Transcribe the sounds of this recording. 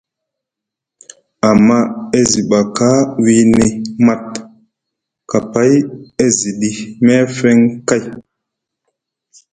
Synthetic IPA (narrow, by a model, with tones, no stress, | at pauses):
a˨mːa˦e˦zi˨ɓa˨ka˦wi˦ne˨ma˦t̚ | ka˨pa˦je˦zi˨ɗi˨mɛ˦fɛ˦ŋka˦˨j